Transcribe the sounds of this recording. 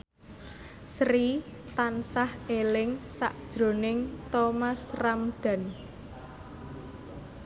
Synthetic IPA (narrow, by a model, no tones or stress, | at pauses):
sɾit̪ansahelɪŋsa̰ʔd̥ʒ̥ɾo̤nɪŋt̪omasramɖ̥a̤n